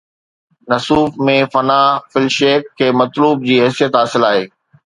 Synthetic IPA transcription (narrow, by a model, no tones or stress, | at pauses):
nɐsuːfmẽfɐnaːfɪlʃeːkʰːeːmɐt̪luːb̚d͡ʑiːɦɪsijət̪ɦaːsɪlaːɦeː